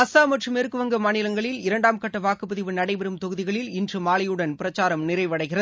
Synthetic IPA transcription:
ɐsaːmɐʈrɯmeɾɯkːɯʋɐŋɡɐmaːnɪlɐŋɡɐɭɪlɪɾɐɳɖaːmkɐʈːɐʋaːkɯpːɯðɪʋɯnɐɽɐɪbɛɾɯmt̪ɔɣɯðɪɣɐɭɪlɪndrɯmaːɭɐjɯɽɐnpɪɾɐt͡ʃːaːɾɐmnɪrɐɪʋɐɽɐɪɣɪrɐðɯ

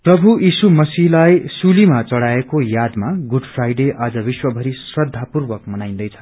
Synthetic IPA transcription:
prʌbʱuʔisumʌsiɦlajsulimat͡sʌɽaekojad̪maɡuɖpʰrajɖeʔad͡zʌbiswʌbʱʌɾisrʌd̪ʱːapurbʌkmʌnaj̃nd̪ʌjt͡sʰʌ̥

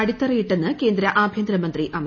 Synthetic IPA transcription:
ɐɽit̪ːɐrijiʈːe̞nːɨke̞ːnd̪ɾɐʔaːbʱjɐnd̪ɾɐmɐnd̪riʔɐm

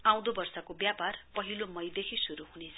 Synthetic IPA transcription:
aw̃d̪obʌrsʌkobjaparpʌɦilomʌjd̪ekʰisuɾuɦunet͡sʰʌ

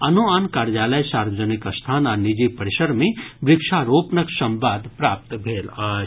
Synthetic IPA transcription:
ɐnoankaːɾjaːləjsaːɾʋəd͡ʒənɪkɐst̪ʰaːnanɪd͡ʒipɐɾɪʃəɾmẽbɾɪkʃaːɾoːpnəksɐ̃mbaːd̪pɾaːp̚t̪bʱeːlaː

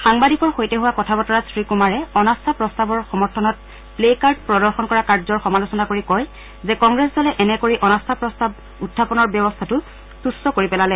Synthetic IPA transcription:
xaŋbadikɔɹxojtɛɦuwakɔtʰapɔtɔɹasɹikumaɹɛɔnastʰapɹɔstabɔɹxɔmɔɹtʰɔnɔt̚ | plekaɹd̚pɹɔdɔɹxɔnkɔɹakaɹzɔɹxɔmalusɔnakoɹikɔj | zɛkɔŋɡɹɛszɔlɛʔɛnɛkoɹiʔɔnastʰapɹɔstab̚ | utʰːapɔnɔɹbjɔbɔstʰatʊ | sustɔkoɹipɛlalɛ

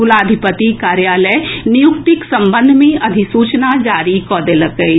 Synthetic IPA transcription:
ʊlaːd̪ʱɪpət̪ikaːɾjaːləjnɪjʊkt̪ɪksɐ̃mbə̃nd̪ʱmẽʔɐd̪ʱisuːt͡ʃnad͡ʒaːɾikɔːd̪eləkəi

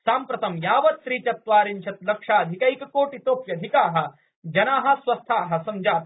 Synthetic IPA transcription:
saːmpɾɐt̪ɐmjaːʋɐt̪sɾiːt͡ʃɐt̪ʋaːɾiɲt͡ʃʰɐt̪lɐkʂaːɐd̪ʱikɐjikkoːʈit̪oːpjɐd̪ʱikaːɦɐ̆ | d͡ʒɐnaːɦɐ̆sʋɐst̪ʰaːɦɐ̆sɐmd͡ʒaːt̪

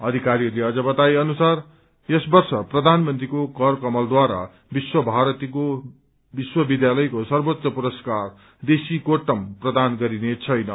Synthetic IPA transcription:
ʌd̪ʱikaɾirleʌd͡zʌbʌt̪ajʌnusar | jʌsbʌrsʌprʌd̪ʱanmʌnt̪rikoɡʌrkʌmʌld̪waɾa̰ | biswʌbʱaɾʌt̪iko | biswʌbid̪jalʌjkosʌrbot̪ːʌpuɾʌskar | d̪esikoʈʌmprʌd̪anɡʌɾinet͡sʰʌjnʌ

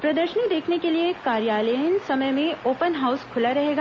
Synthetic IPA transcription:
pɾɐd̪əɾʃənid̪eːkʰnekelieːkːaːɾjaːləənsɐməjmẽoːpənɦaːʊskʰʊlaɾɐɦeːɡaː

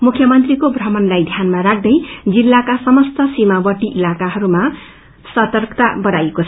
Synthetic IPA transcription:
mukʰjʌmʌnt̪rikobʱrʌmʌnlajd̪ʱjanmaɾak̚ʰd̪ʌjd͡zilːakasʌmʌst̪ʌsimawʌʈiʔilakaɦʌɾuma | sʌt̪ʌrkt̪abʌɽajekot͡sʰʌ

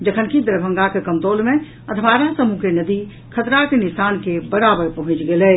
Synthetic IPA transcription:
d͡ʒəkʰənkid̪ɾəbʱə̃ŋɡakekəmt̪olmẽ | əd̪ʱʋaɾasəmukenəd̪i | kʰət̪ɾakenisankebəɾabəɾpəɦũt͡ʃɡelɛ

